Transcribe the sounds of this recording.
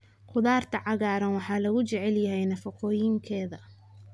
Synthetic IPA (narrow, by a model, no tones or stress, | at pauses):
qʊðaːrt̪ʰɐʕɑɣaːɾɐnwɑħɑːlɐɣʊt͡ʃɛʕɛljɐɦɛjnɐfɐqʰɔːjɪŋkʰɛːðɐ